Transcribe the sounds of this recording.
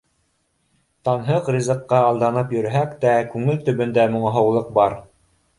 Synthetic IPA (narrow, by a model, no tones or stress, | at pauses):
t̪ɑnɦɤqrʲizɤ̆qːɑːlˠd̪ɑnɤpjɵ̆ɾɦækt̪ækʉŋɘlt̪ɵ̆βɵ̆nd̪æmŏɴɑɦɤ̆wlˠɤq̚bɑɾ